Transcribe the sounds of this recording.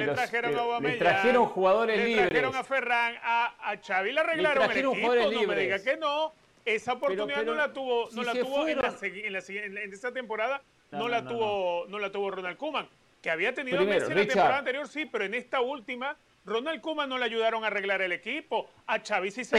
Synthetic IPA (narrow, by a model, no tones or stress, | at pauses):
leɾaxeɾoŋaowameʎɾaaxeɾoŋxuɣaðoɾeeliɾaβɾeɾoŋaferaŋaːt͡ʃaβileareɣlaɾoeleõiaðoolnomeðiɣake̞no̞ | e̞saopo̞tt̪uniðanolat̪uβonolat̪uβoenlaseenlasinend̪eesat̪e̞mpo̞ɾaða | nnolat̪uβono̞lat̪uβo̞ronalkumãŋ | keaβiat̪e̞niðimeɾat̪epoɾaðant̪eɾjo̞ɾsipe̞ɾoene̞st̪ault̪ima | ronalkumãnnːo̞leaʝuðaɾo̞ŋare̞ɣlaɾe̞le̞kipo̞ | at͡ʃaβisis